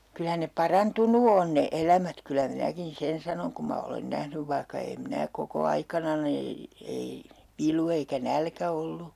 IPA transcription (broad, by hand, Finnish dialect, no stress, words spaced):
kylæ ne pɑrɑntunu on ne elæmæt kylæ minækin sen sɑnoŋ kum mɑ olen næhnyʋ ʋɑihkɑ eːm mĭnæ koko ɑikɑnɑni ei ʋilu eikæ nælkæ olːu